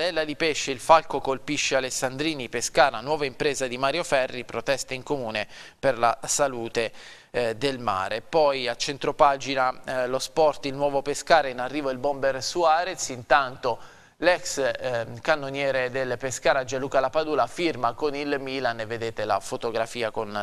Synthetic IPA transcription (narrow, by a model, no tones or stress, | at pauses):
d̪ɛlːad̪ipeʃːeilfalkokolpiʃːealesːand̪ɾiːnipeskaːɾanwɔːvaimpɾeːzad̪imaɾjofɛrːipɾot̪ɛst̪aiŋkomuːneperlasaluːt̪e | d̪elma̰ːɾepɔjat͡ʃːent̪ɾopaːd͡ʒinalospɔrt̪ilnwɔːvopeskaːɾeinarːiːvoilbombersuaːɾet̪sint̪ant̪o | lɛkskanːonjɛːɾed̪elpeskaːɾad͡ʒaluːkalapad̪uːlafirmakonilmiːlanevːed̪eːt̪ela̰fot̪oɡɾafiːakon